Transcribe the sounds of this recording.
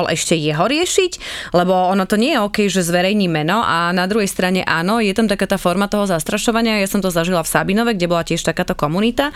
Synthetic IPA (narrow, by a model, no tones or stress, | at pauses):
ɔlʔɛʃcɛjɛɦɔɾɪɛʃiclɛbɔɔnɔt̪ɔɲɪɛjɛɔːkɛjʒɛzʋɛɾɛjɲiːmɛnɔʔanad̪ɾuɦɛjst̪ɾaɲɛ̰ʔaːnɔjɛt̪amt̪akaːt̪aːfɔɾmat̪ɔɦɔzast̪ɾaʃɔʋaɲɪajasɔmt̪ɔzaʒilafsabinɔʋɛɡɟɛbɔlacɛʃt̪akaːt̪ɔkɔmunit̪a